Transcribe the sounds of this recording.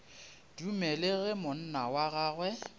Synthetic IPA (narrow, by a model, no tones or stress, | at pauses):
d̥umɛlɪɣɪmʊn̩nawaɣaːɣwɛ